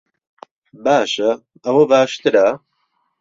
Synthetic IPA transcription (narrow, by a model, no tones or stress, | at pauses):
baːʃɐ | ɐwɐbaːʃt̪ɨɾɐ